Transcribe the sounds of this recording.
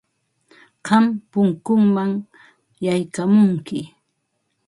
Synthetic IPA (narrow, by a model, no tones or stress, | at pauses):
ɢɑmpʊŋkʊŋmaŋ | jajkamʊŋkɪ